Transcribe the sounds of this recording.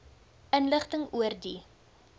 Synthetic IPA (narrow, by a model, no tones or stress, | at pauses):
ənləχtəŋuərdi